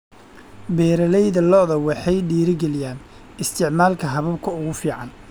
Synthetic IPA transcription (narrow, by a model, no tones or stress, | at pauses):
bɛːɾɐlɛjðɐlɔðɐwɑħɑjɖiːɾɪɡɛlɪjaːn | ɪst̪ʰɪʕmaːlkʰɐɦɐβɐbkʰɐʊɣʊfiːʕɑn